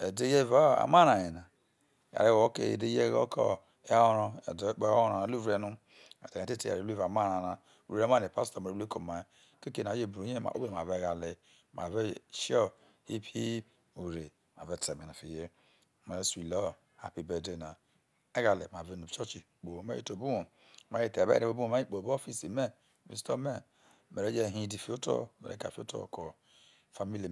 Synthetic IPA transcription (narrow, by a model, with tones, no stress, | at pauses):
e˨de˦je˦va˦˨a̰˨ma˦na˨e˨na˨ | ja̰˨ɾe˦o˨o˦kḛ˨ḛ˨de˦je˦ɡo̰˦kɔ̰˦ | e˨a˦o˦ɾo̰˦˨dk͡pe˦˨ɾa˨a˨˦lu˦vɾe˨nu˦ | ḛ˨te˨e˨te˦te˨a̰˨ɾe˨˦e˦va˨ma˦˨ɾa˨na˨ | ṵ˨ɾe˨˦ma˦˨ne˨pa˦sto˨ma˨ɾe˨˦e˦ko˨ma˨ | ke˦ke˨na˨˦e˦˨bɾo˨˦ɲe˦ma̰˨o̰˦e˦˨a˨ve˨ɡa˨le˨ | ma̰˨ve˦ʃo˦ | hi˦pʰi˦ | u˨ɾe˨ | ma̰˨ve˦te˨me˨na˨fḭ˨je˦˨ | me˨ɾe˦si˨lɔ˦˨ | a̰˨pi˨be˨de˦˨na˨ | e˦ɡa˨le˨ma˨ve˦nu˨t͡ʃɔ˦t͡ʃi˨ | k͡po˨˦me˦ḛ˦to˨bu˦wo˨ | ma˨˦e˦te˨bḛ˦ɾe˨bo˦bu˦o˦˨ma˦i˦k͡po˨bo˦fi˦si˨me˦˨ | vḭ˨sto˦me˦ | me˨ɾe˦d͡ʒe˦˨ɦĩ˦di˨fi˦o˦to̰˦˨mḛ˨ɾḛ˦ka̰˨fi˦o̰˦to̰˦˨ko˨ | fa˦mi˦li˨